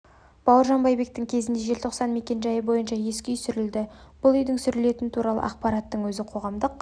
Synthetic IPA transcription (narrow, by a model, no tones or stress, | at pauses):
b̥ɑwəɾʒɑnbɑjbe̞k̚t̪ɪŋkʲʰe̞zɪnd̪e̞ʒe̞lt̪ʰo̞qsɑnme̞kʲe̞nʒɑjəbo̞jənʃɑje̞skʲʏjsʏɾɪld̪ɪb̥ʊlˠʏjd̪ɪŋsʏɾɪle̞t̪ɪnɪt̪ʰuɾɑlˠə̰ʔɑqpɑɾɑt̪ːəɴwɵzɪqʰo̞ʁɑmd̪əq